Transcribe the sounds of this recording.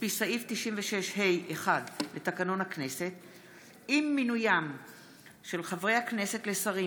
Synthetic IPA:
pisaift̪iʃimveʃe̞ʃhe̞jʔeχadle̞t̪akano̞nhakne̞se̞t̪ | imːinujam | ʃe̞lχavʁejhakne̞se̞t̪le̞saʁi

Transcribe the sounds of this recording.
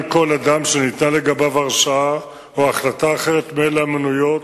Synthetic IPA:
ko̞lad̪amʃenit̪naleɡabavaʁʃaa | oaχlataːχe̞ʁet̪meelamenujo̞t

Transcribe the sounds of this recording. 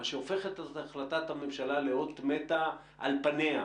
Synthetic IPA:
ʃeofe̞χet̪ataχlat̪at̪hamemʃalaleot̪met̪a | ʔa̰lpanea

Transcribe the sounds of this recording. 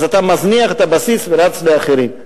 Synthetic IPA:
zat̪amazniaχet̪abasisveɾat͡sleaχeɾim

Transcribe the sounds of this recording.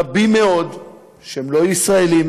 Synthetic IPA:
abime̞o̞d̪ | ʃeemlo̞isʁaelim

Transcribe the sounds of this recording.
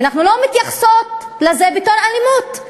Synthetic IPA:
naχnulomit̪jaχsot̪lezebit̪onalimut̪

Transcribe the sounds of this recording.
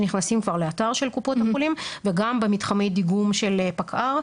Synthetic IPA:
niχnasimkvaʁleataʁʃelkupo̞thaulimveɡambemit̪χamejd̪iɡumʃelpakʰʔaʁ

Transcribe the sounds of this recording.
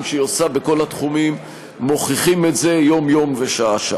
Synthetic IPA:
mʃejosabeko̞lat̪χumimː | o̞χiχimetze̞jo̞mjo̞mveʃaaʃa

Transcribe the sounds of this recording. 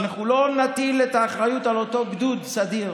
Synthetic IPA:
naχulo̞natilet̪aːχʁajut̪alo̞t̪o̞ɡd̪udsad̪iʁ

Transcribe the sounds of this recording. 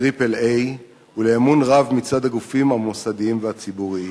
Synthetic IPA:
ʁipelej | uleːmunʁavmit͡sad̪aɡufimhamosadiimveat͡sibuʁii

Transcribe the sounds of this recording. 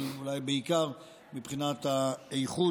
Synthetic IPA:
ulajbeikaʁ | mipχinat̪aejχu

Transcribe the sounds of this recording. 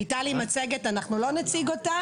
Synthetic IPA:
italimat͡seɡetanaχnulo̞net͡siɡota

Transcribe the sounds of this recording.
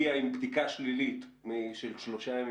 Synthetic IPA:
iaimbd̪ikaʃlilit̪miʃelʃloʃam

